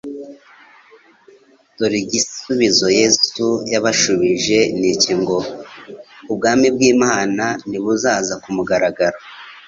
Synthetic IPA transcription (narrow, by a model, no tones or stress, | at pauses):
toɾiɟisuβizo̞je̞sujaβaʃuβiʒe̞niciŋɡo̞ | ub̚ɡaːmibɡiːmaːnaniβuzaːzakumuɡaɾaɡaɾo